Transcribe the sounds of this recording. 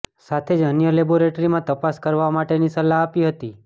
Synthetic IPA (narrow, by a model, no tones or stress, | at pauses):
sat̪ʰed͡ʒənjəleboɾeʈɾimãt̪əpaskəɾʋamaʈenisəlaːpiɦət̪i